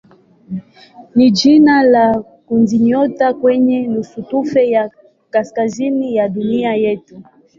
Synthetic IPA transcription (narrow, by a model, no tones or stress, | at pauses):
nid͡ʒinala | kunziɲɔtakwɛɲɛnusutufɛja | kaskazinijaɗuniajɛtu